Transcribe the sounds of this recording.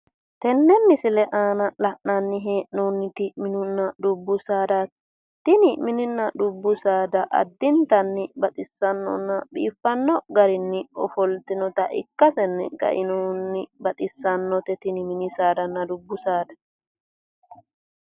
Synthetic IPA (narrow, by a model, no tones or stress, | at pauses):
t̪ɛnːɛmːɪsɪlɛʔaːnɐlɐʔnɐnːɪɦeːʔnonːɪt̪ɪmɪnʊnːɐd̪ʊbːʊsaːd̪ɐ | t̪ɪnɪmɪnɪnːɐd̪ʊbːʊsaːd̪ɐʔɐ̰d̪ːɪnt̪ɐnːɪbɐt̪ʼɪsːɐnːɔ̰nːɐbḭːfːɐnːɔɡɐɾɪnːɪɔfɔlt̪ɪnɔt̪ɐʔɪ̰kːɐsɛnːɪ̰ɡɐ̰ʔɪnonːɪbɐt̪ʼɪsːɐnːɔt̪ɛt̪ɪnɪmɪnɪsaːd̪ɐnːɐd̪ʊbːʊsaːd̪ɐ̥